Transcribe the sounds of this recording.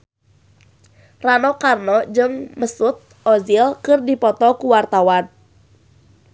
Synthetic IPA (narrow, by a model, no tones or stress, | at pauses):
ranɔkarnɔd͡ʒɨŋməsut̪̚ | ɔzilkɨrdipɔt̪ɔkuwart̪awan